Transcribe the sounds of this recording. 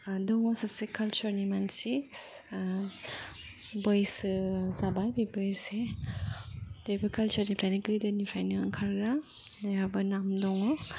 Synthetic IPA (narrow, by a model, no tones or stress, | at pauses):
dɔŋɔsasekalt͡ʃuɾnimansi | bɔjsɯzabajbibɯjse | dɔjbɯkalt͡ʃɔɾnipʰɾajniɡɯdɯnipʰɾajnɯɯ̰ŋkʰaɾːa | naabɐnamdɔŋɔ